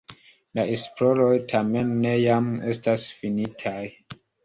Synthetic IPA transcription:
laʔespɾoɾojtʰame̞nːe̞jame̞stasfinitʰaj

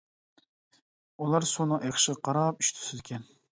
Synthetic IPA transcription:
ulˠɑɾsonʊʔeχʃɪʁqʰɑɾɑp̚y̥ʃt̪ʰʊ̥sɪd̪ɪkʲʰɛn

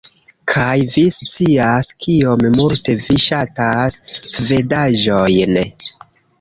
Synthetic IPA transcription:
kʰajvist͡siiaskʰio̞mmulte̞viʃatasːve̞daʒo̞jn

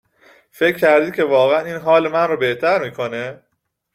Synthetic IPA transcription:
fe̞cʰːcːæɾd̪iːcʰe̞vɒːɣeæniːnɦɒːlemænrɔːbe̞ht̪ʰæɾmiːkʰo̞ne

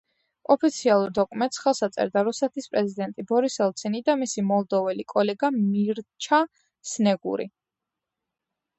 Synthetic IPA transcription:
ɔpʰit̪sʰialˠuɾd̪ɔkʼmɛnt̪ʼsχɛlˠsat̪sʼɛ̰ɾd̪aɾusɛt̪ʰispʼɾɛzid̪ɛnt̪ʼibɔɾisɛlˠt̪sʰɛnid̪amisimɔlˠd̪ɔvɛlikʼɔlɛɡamiɾt͡ʃʰa | snɛɡṵɾḭ

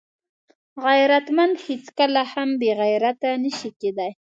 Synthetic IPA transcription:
ɣajɾat̪mand̪het͡skəlahambeɣajɾat̪anəʃiked̪aj

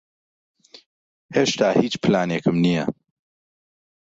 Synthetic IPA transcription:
heːʃt̪aːhiːt͡ʃpʰlaːneːkʰɨmnijɐ̰

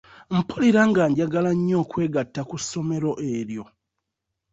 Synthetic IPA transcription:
m̩puliɾaŋɡaːɲɟaɡalaɲːo̞ːkwe̞ːɡatːakusːo̞me̞ɾo̞ʔeːɾjo̞

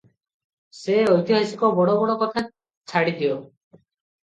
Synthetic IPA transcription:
seɔjt̪iɦasikɔbɔɽɔbɔɽɔkɔt̪ʰa | t͡ʃʰaɽid̪iɔ

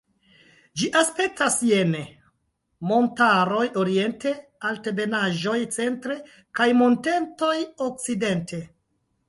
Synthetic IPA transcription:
d͡ʒiʔaspe̞k̚tasje̞ne | mo̞ntaɾo̞jo̞ɾie̞nte̞alte̞be̞naʒo̞jt͡se̞ntɾe̞ | kajmo̞nte̞nto̞jok̚t͡side̞ntʰe̞

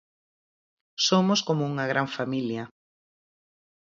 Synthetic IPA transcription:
somoskomouŋaɣɾaɱfamilja

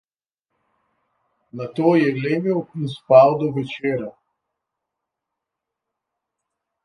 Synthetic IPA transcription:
nat̪oːjɛɡleːmiwinspawd̪ɔʋɛt͡ʃeːɾa

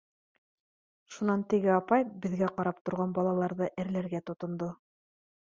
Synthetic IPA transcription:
ʃunɑnt̪ɘ̆ɡɘɑpɑjbɘ̆ðɡæqɑɾɑp̚t̪ŏɾʁɑnbɑlˠɑlˠɑɾðɤʔɘ̆ɾlæɾɡæt̪ŏt̪ŏnd̪o

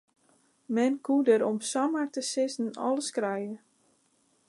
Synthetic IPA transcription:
mɛnkʰudəɾɔmsamatəsɪsn̩ɔ̰ləskrɛjə

